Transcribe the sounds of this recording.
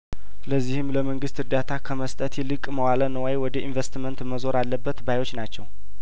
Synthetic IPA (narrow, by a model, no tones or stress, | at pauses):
ləzːihɨmləməŋɡɨst̪ɨɾd̪at̪ʰakʰəməst̪ʼət̪ʰjɛlɨkʼməwalənəwajwɔd̪əʔinvest̪mənt̪məzo̞ɾalːəbːət̪bajo̞t͡ʃːnat͡ʃːɛw